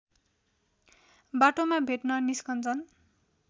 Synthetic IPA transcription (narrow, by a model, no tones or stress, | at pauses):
baʈomabʱeʈnʌniskʌnt͡sʰʌn